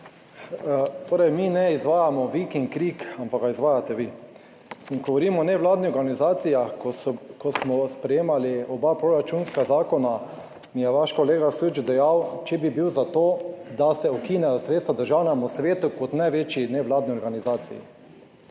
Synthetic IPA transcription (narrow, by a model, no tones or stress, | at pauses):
t̪ʰoːɾɛjminɛizʋaːjamɔʋikiŋkɾikampaɡaizʋaːjat̪ɛʋi | iŋɡɔʋɔɾiːmɔːnɛʋlaːd̪niɔɾɡanizaːt̪sijaxkɔsmɔspɾɛjeːmaliɔbapɾoɾat͡ʃunskazaːkɔna | mijɛʋaʃkɔleːɡasud͡ʒd̪ɛjawt͡ʃɛbibiwzat̪oːd̪asɛɔkiːnɛjɔsɾet̪st̪ʋad̪əɾʒawnamɔsʋeːt̪ukɔt̪najʋeːt͡ʃinɛʋlaːd̪niɔɾɡanizaːt̪sḭjḭ